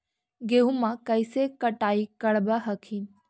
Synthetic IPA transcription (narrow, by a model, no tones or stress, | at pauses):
ɡeũmãkəjsekəʈaːikəɭbaɦəkʰiːn